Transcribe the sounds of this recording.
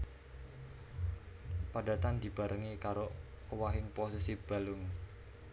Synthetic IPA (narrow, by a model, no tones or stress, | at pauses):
padat̪and̪i̤b̥a̤ɾʔəŋikaɾo | owaɦɪŋposisib̥a̤lʊŋ